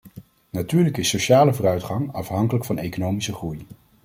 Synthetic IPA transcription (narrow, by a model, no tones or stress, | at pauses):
natyːɹləkɪsoʃaːləvoːrœɥtχɑŋɑfɦɑŋkələkfɑnejkonowmisəχruj